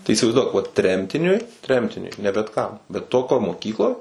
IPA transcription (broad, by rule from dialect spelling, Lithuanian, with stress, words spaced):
tɐɪ iːsʲɪʋɐɪzˈduɔk ʋɐt ˈtʲrʲɛmʲtʲɪnʲʊɪ ˈtʲrʲɛmʲtʲɪnʲʊɪ nʲɛ bʲɛt kɐm bʲɛt ˈtoːkʲoːj moːˈkʲiːklˠoːj